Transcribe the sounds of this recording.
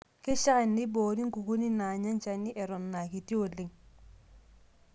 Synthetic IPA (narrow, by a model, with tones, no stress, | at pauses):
kɪ˦ʃa˦kɛ˨nːɪ˦boː˨ɾi˦ŋ˦ku˨ku˦ni˦na˨ɲa˦nt͡ʃa˨ni˦ʔɛ˨ɾɔ˨nːa˨ki˨ti˦o˨le˨ŋ